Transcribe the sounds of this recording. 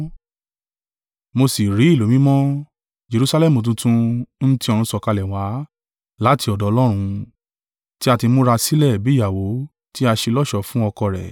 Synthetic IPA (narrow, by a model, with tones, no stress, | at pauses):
mo˧si˨ɾi˨˦i˦˨lo˨˦mĩ˦mɔ̃˦ | d͡ʒe˧ɾu˧sa˧lɛ˦mu˨t̬ũ˧tũ˧n̩˦ti˦ɔ̃˧ũ˧sɔ˧˨ka˧lɛ˨wa˨˦ | la˨˦ti˧ɔ˨dɔ˨˧lɔ˦ɾ̃ũ˧ | ti˦a˧ti˧mo˦ɾa˧si˦lɛ˦˨bi˨˦ja˨wo˨˦ | ti˦a˧ʃe˧lɔ˦ʃɔ˧˨fũ˦ɔ˧kɔ˧˨ɾɛ̰˨